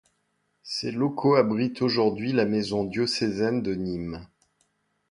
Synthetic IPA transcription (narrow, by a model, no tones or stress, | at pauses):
selokʰoabʁit̪oʒuʁd̪ɥilamezɔ̃d̪josɛzɛnd̪ənim